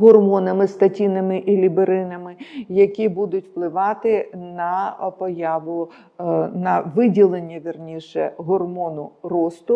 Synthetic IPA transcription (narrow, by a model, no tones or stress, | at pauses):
ɦɔrmɔnɐmɪst̪ɐtʲinɐmɪʔilʲibeɾɪnɐmɪjɐkʲibud̪ʊtʲw̥plˠɪʋɑt̪ɪnɐpɔjɑʋʊ | nɐʋɪdʲilˠenʲːɐʋʲirnʲiʃɛɦɔrmɔnʊrɔst̪ʊ